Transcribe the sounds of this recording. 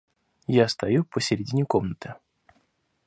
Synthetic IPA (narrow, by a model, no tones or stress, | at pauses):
jast̪ɐjupəsʲɪɾʲɪdʲinʲɪko̞mnət̪ɨ